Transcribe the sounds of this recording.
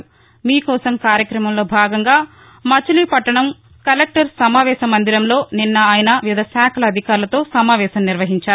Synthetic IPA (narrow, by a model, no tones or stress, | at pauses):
miːkɔːsɐmkaːɾjɐkɾɐmɐmlo̞ːbʱaːɡɐŋɡaː | mɐt͡ʃulipɐʈːɐɳɐm | kɐlek̚ʈɐɾsɐmaːʋɛːʃɐmːɐnd̪iɾɐmlo̞ːninːɐaːjɐnɐʋid̪ɐsaːkʰɐlɐːd̪ʱikaːɾlɐt̪o̞ːsɐmaːʋɛːʃɐmniɾʋɐɦiɲt͡ʃaːɾu